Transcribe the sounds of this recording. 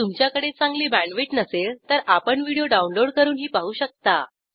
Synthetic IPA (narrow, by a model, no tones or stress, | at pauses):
t̪umt͡ɕjakəɽet͡sãŋɡliːbæɳʋeʈnəset̪əɾapəɳʋiɽijoɖaunloɽkəɾuːnɦiːpaɦuːɕək̚t̪a